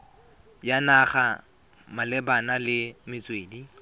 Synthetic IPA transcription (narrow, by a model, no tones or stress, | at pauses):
janaχa | malɛbanalɪmɪt͡sʼweːdi